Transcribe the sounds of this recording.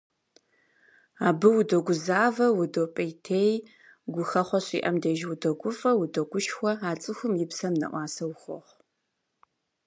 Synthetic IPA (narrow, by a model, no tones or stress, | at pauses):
aːbɨwʊdɐɡʷʊzaːvɐwʊdoːpʼɐjtʰeːj | ɡʷʊxɐχʷɔɕḭːʔɐmdɐʒwʊdɐɡʷʊfʼɐwʊdɐɡʷʊʃxʷɔaːt͡sʼɨxʷʊmjɪpsɐmnɐ̰ʔʷɑːsɐwxʷɔ̰χʷ